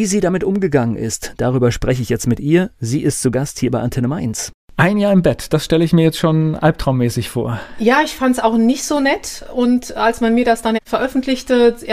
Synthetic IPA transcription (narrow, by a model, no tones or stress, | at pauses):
viːziːdamɪtʔʊmɡəɡaŋənʔɪ̰std̥aʁ̞yːbɐʃpʁ̥ɛçəɪçjɛt͡stmɪtʔiːɐziːʔɪstt͡suɡasthiːɐbaɪʔantʰɛnəmaɪns | ʔaɪnjaːɐɪmbɛtd̥asʃtɛləɪçmiːɐjɛt͡stʃoːnʔalp̚tʁ̥aʊmːɛːsɪçfo̰ːɐjaːɪçfantsaʊxnɪçtz̥oːnɛtʔʊntʔalsmanmiːɐdasd̥anfɛɐʔœfn̩tʰlɪçtə